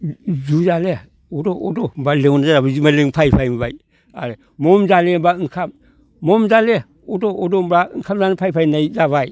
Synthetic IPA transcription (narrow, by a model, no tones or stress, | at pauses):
zuzale | odoodombaleŋonazaɾabazimaleŋpʰajpʰajmbaj | a̰ɾe | momzalembaɯŋkʰamː | omzale | odoodombɾaɯŋkʰamzanapʰajpʰajnajzaβaj